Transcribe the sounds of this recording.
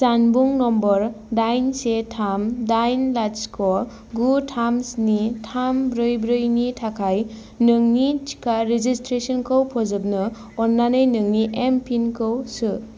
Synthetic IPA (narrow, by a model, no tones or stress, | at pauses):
sanbuŋnɔmbɔɾ | dajnsetʰamdajnlat͡ʃkʰɔ | ɡutʰamsnitʰambɾɯjbɾɯjnitʰakʰaj | nɯŋnit͡ʃi̥kʰaɾed͡ʒistɾesɔnkʰɯwpʰɔzɯb̚nɯ | ɔnːanɯjnɯŋniʔempʰinkʰɯwsɯ